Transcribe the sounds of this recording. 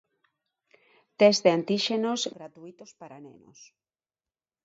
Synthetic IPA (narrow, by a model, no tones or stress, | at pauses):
t̪ezðeant̪iʃenozɡɾat̪uit̪ospaɾanḛno̰s